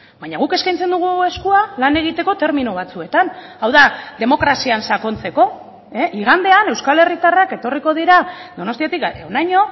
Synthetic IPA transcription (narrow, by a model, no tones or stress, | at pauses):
baɲaɣ̞uke̞skajnt͡se̞nd̪uɣ̞ue̞skualane̞ɣ̞it̪e̞ko̞t̪e̞ɾminuβ̞at͡sue̞t̪anawðaðe̞mo̞kɾasiansako̞nt͡se̞ko̞ | e̞ʔiɣ̞and̪e̞ane̞wskale̞rit̪arake̞t̪o̞riko̞ð̞iɾad̪o̞no̞st̪iat̪ikeonajɲo̞